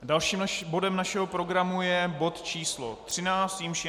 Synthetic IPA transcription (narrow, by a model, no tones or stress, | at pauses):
dalʃiːmbo̞dɛmnaʃɛɦopɾo̞ɡɾamujɛbo̞t̪t͡ʃiːslo̰t̪r̝̥ɪnaːt͡st̪jimʃ